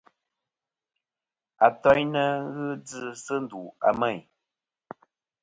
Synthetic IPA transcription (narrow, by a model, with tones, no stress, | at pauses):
a˨tɔ˦ɲnə˦ɣɨ˦d͡zɨ˦sɨ˦n̩˦du˨a̰˨mɛ˦˨j